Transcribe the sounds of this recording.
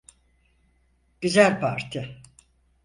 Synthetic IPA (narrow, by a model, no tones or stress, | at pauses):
ɟ̥yzælʲpʰaɾt̪ʰɪ